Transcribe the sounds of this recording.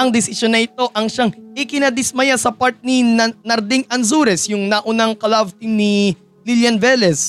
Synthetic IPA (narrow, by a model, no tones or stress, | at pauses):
ʔɐŋd̪ɪsɪʃjonːɐʔɪt̪o̞ʔɐŋʃaŋʔɪkɪnɐd̪ɪsmɐjasɐpaɾt̪̚ninɐɾd̪ɪŋɐnsuɾɛsjʊŋnɐʔʊnaŋkɐlavt̪ɪŋni | liljɐnvɛlɛs